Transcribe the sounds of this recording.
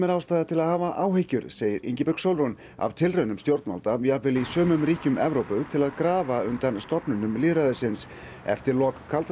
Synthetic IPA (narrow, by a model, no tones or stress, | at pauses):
mɛɾawst̪aːðat̪ʰɪlaðhaːvaʔaːwhejcʏɾseːjɪɾḭɲcɪpʏksowlɾun | a̰vt̪ʰɪlrœːnʏmst̪jowɾt̪ma̰lt̪ajapvɪlisœːmʏmriːcʏmɛvɾowpʏɣt̪ʰɪlaðkɾaːvaʏnt̪anst̪ɔpnʏnʏmliːɾaðɪsɪns | ɛ̰ft̪ɪɾlɔkʰːalt̪